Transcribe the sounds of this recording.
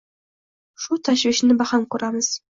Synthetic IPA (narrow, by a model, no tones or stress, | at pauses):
ʃut̪ʰaʃviʃnɪbɑχɑnkʰʊɾaməz̥